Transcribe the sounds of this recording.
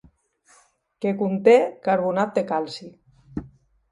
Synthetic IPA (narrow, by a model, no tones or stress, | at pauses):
kekunt̪ekaɾβunat̪̚d̪ekalsi